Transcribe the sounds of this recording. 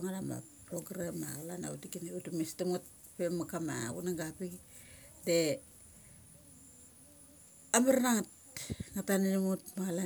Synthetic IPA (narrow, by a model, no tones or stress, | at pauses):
oŋanama̰pɾoɡɾama̰lana̰utikiniutumistamut̚ | pemakama̰ṵnaŋɡapik | de | amaɾnaŋat | ŋataninimutmala